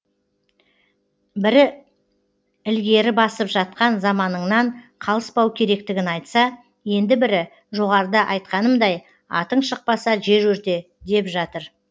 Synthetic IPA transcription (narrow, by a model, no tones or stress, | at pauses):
bɪɾɪ | ɪlɡʲe̞ɾɪbɑsəpʒɑt̪̚qɑnzɑmɑnəɴnɑɴqʰɑlˠəspɑwkʲʰe̞ɾe̞k̚t̪ɪɡʲɪnɑjt̪sɑ | je̞nd̪ɪbɪɾɪ | ʒo̞ʁɑɾd̪əʔɑjt̪qɑnəmd̪ɑj | ɑ̰t̪əɴʃəq̚pɑsɑʒe̞ʒɵɾt̪e̞ | d̪e̞pʒɑt̪əɾ